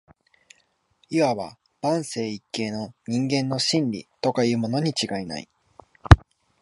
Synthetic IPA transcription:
iβaβa̰ | b̥ãɰ̃se̞ːikːe̞ːno̞ɲ̟ĩŋɡẽ̞nːo̞ɕĩnɾʲḭt̪o̞kajɯ̟ːmo̞no̞ɲ̟it͡ɕiɡaina̰ḭ

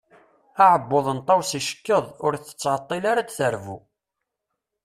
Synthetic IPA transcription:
aʕəbːoðˤənt̪ˤːɑwsiʃə̥kːəðˤʊɾθə̥t͡sːʕət̪ˤːelaɾad̪θəɾvṵ

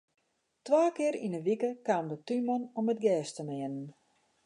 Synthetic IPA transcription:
tʋaːkɪəɾinəʋikəkaːmdətymɔnomət̚ɡɛːstəmɪənən

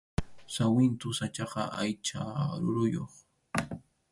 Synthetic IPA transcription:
sawɪnt̪ʊsat͡ʃɑqɑʔajt͡ʃaɾʊɾʊjoχ

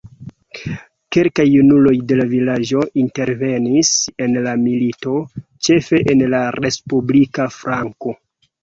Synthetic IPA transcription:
ke̞lkajunulo̞jde̞lavilad͡ʒo̞ʔinte̞ɾve̞nise̞nlamilito̞t͡ʃe̞fe̞ʔenlaɾe̞spublikafɾaŋko̞

